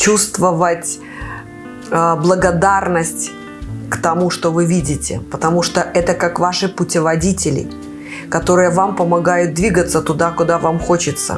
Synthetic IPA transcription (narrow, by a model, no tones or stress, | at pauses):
t͡ɕust̪vəvətʲ | əblˠəɡɐd̪arnəsʲtʲ | kt̪ɐmuʂt̪ovɨvʲidʲɪtʲɪ̰pət̪ɐmuʂt̪oʔɛt̪əkakvaʂɨpʊtʲɪvɐdʲitʲɪlʲɪ̰ | kɐt̪o̞ɾɨjəvampəmɐɡajʊt̪̚d̪vʲiɡət̪sət̪ʊd̪akʊd̪avamxo̞t͡ɕɪt̪sə̰